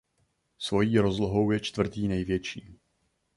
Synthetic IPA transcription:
svo̞jiːɾo̞zloɦo̞wjɛt͡ʃt̪vr̩t̪iːnɛjvjɛt͡ʃiː

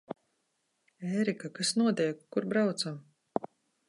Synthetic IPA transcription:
ɛːɾikakasnuɔt̪ijkːuɾbɾawt̪sam

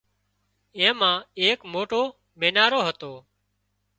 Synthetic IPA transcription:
ẽːmãːeːkmoːʈoː | mẽːnaːɾoːɦət̪oː

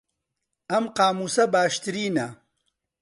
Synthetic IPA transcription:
ɐmqaːmuːsɐbaːʃt̪ɨɾiːnɐ

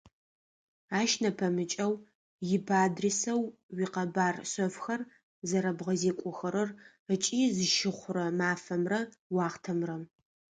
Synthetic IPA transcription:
aːʃnɐpʰɐmɨt͡ʃʼɐw | jɪbaːdresɐw | wiːqɐbaːrsɐfxɐr | zɐɾɐbʁɐzeːkʷʼʊxɐɾɨr | ət͡ʃʼiːzɨʃɪχʷʊrɐmaːfɐmrɐwɑːχtʰɐmrɐ

